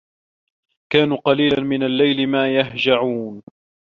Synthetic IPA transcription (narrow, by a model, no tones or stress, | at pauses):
kaːnuːqɑliːlanmɪnalːajlɪmaːjaɦd͡ʒaʕuːn